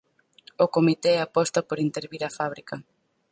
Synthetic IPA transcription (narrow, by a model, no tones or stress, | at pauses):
okomit̪eɛapɔst̪ɐpoɾint̪eɾβiɾafaβ̞ɾikɐ